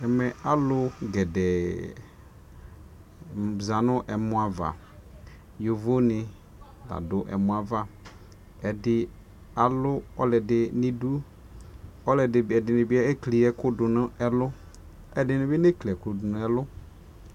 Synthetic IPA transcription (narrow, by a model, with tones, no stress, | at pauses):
ɛ˨mɛ˨a˨lʊ˦ɡɛ˨dɛ˨ | za˨nʊ˦ʔɛ˨mʊ̃˦a˨va̰˨ | jo˨vo˦nɪ˨ | da̰˨dʊ˦ʔɛ̰˨mʊ̃˨˦a˨va˦ | ɛ˨dɪ˨ | a˨lʊ˦ɔ˦lɛ˨dɪ˨nɪ˦du˦ | ɔ˦lɛ˨dɪ˨ɛ˨dɪ˨nɪ̃˨bɪ˦ɛ˦e˦kli˨ɛ˦kʊ˦dʊ˨nʊ˦ɛ˦lʊ˦ | ɛ˦dɪ˨nɪ˦bɪ˦ne˦kli˨ɛ˨klʊ˨dʊ˨nʊ˦ɛ˦lʊ˦